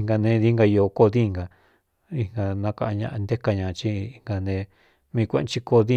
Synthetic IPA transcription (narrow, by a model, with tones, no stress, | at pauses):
ŋɡa˧nẽ˧˦ði˦ŋɡa˧o˧˨ko˦˧ði˦˧ŋɡa˧ | i˧ŋɡa˧nã˧kã˧a˧ɲã̰˧ʔa˧nd̪e˦ka˧ɲã˨˧t͡ʃi˦i˧ŋɡa˧nẽ˧ | mĩ˧kʷẽ˦ʔt͡ʃi˦ko˧ði˦